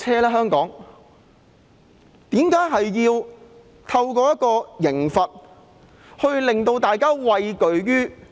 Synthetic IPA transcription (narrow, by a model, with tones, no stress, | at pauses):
ɛː˥lɛː˥ɦœː˥ŋkɔː˨˥ŋ | t̪iː˨˥mkaː˨˥jɦɐ˨jjiː˧w | t̪ʰɐ˧wkɔː˧jɐ˥t̚kɔː˧jɪ˨˩ŋfɐ˨t̚ | hɵ˧ɥlɪ˨ŋt̪o˧wt̪aː˨jkaː˥wɐ˧jkɵ˨ɥɥyː˥